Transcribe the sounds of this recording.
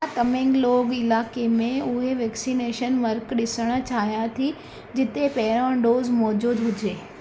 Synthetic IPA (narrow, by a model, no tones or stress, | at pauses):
kɐmẽŋɡloːɡɪlaːkemẽʊɦeʋɛːksineːʃənʋɐɾkɗɪsəɽ̃̆t͡ɕʰaːɦjãt̪ʰi | d͡ʑɪt̪epɛɦɪɾãɖoːzmɔːd͡ʑuːd̪ɦʊd͡ʑeː